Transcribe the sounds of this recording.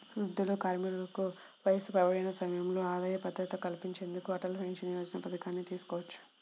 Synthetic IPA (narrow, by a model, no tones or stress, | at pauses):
ɾud̪ːulukaːɾmiːɾulɐku | ʋɐjɐsupɾɐʋɐɽɐjnɐsɐmɐjɐmlo̞ːaːd̪aːjɐpɐd̪ːɐt̪ɐkɐlpiɲt͡ʃe̞ːnd̪ukuɐʈɐlpʰeŋʂɐnijoːd͡ʒɐnɐpɐd̪ɐkaːnːit̪iːsu̥kɔːʋɐt͡ʃːu̥